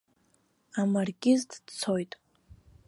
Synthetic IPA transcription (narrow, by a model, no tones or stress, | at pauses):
amarɡʲʼɪztʰʼd̥t͡sʰo̞jtʼ